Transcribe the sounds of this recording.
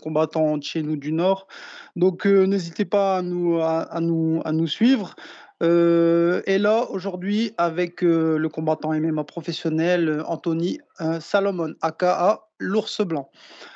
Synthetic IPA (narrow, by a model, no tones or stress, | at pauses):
kɔ̃bat̪ɑ̃d̪əʃenud̪ynɔːʁd̪ɔ̃kønezit̪epaːnuaanua̰nusɥivʁø | elaoʒuʁd̪ɥiavɛkøləkɔ̃bat̪ɑ̃emɛmapχɔfɛsjɔnɛløɑ̰̃t̪ɔnisalɔmɔnakaʔa | luʁsəblɑ̃